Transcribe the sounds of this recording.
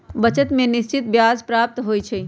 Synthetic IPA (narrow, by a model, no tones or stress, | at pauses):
bət͡ʃət̪mẽnist͡ʃit̪̚bjad͡zpɾap̚t̪ɦojt͡ʃʰə